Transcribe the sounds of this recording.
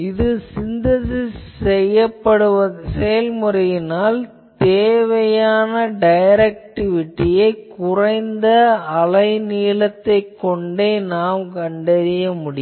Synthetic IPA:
ɪðɯsɪnd̪ɐsɪssɛjːɐpːɐɽɯʋɐsɛjɐlmʊrɐjɪnaːl | t̪eːʋɐjaːnɐɖɐjɾɐk̚ʈɪʋɪʈːɪjɐɪkʊrɐɪnd̪ɐɐlɐɪniːɭɐt̪ːɐɪkːɔɳɖeːnaːmkɐɳɖɐɾɪjɐmʊɽɪj

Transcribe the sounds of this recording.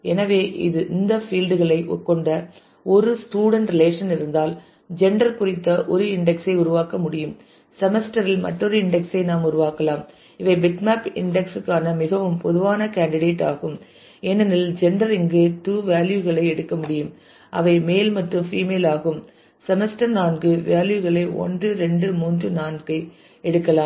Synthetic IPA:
ɛnɐʋeːʔɪ̰ðɯʔɪnd̪ɐfiːlɖɯɣɐɭɐɪʔɔkːɔɳɖɐ | ɔɾɯsʈuːɽɐɳʈɾɪleːʂɐnɪɾɯnd̪aːl | d͡ʒɛɳɖɐɾkʊrɪt̪ːɐʔɔɾɯɪɳɖɛksɐɪʊɾʊʋaːkɐmʊɽɪjɯm | sɛmɛsʈɐɾɪlmɐ̰ʈːɔɾɯɪɳɖɛksɐɪnaːmʊɾʊʋaːkɐlaːm | ɪʋɐɪbɪʈmaːpɪ̰ɳɖɛksɯkːaːnɐmɪɣɐʋɯmpɔðɯʋaːnɐkaːɳɖɪɽeːʈaːɣɯm | ɛnːɐnɪld͡ʒɛɳɖɐɾɪŋɡɯt̪uːʋaːljuɣɐɭɐɪɛɽɯkːɐmʊɽɪjɯm | ʔɐ̰ʋɐɪmeːlmɐʈrɯmfiːmeːlaːɣɯm | sɛmɛsʈɐɾnaːnɡɯʋaːljɯɣɐɭɐɪʔɔ̰ndrɯɾɛɳɖɯmuːndrɯnaːnɡɐɪ | ɛɽɯkːɐlaːmm

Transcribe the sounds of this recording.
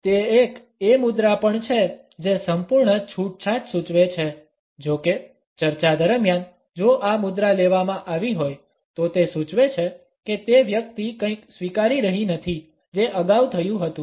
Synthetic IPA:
t̪eek | emʊd̪ɾapəɳt͡ʃʰe | d͡ʒesəmpuɾɳət͡ʃʰuʈ̚t͡ʃʰaʈsut͡ʃʋet͡ʃʰe | d͡ʒoke | t͡ʃəɾt͡ʃad̪əɾəmjan | d͡ʒoʔamʊd̪ɾaleʋamãʔaʋiɦoj | t̪ot̪esut͡ʃʋet͡ʃʰe | ket̪eʋjək̚t̪ikə̃ĩksʋikaɾiɾəɦinət̪ʰi | d͡ʒeʔəɡawt̪ʰəjũɦət̪ũ

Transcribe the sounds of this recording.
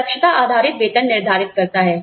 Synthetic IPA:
əkʂət̪aʔad̪ʱaɾit̪ʋet̪ənːiɾd̪ʱaɾit̪̚kəɾt̪aɦɛ

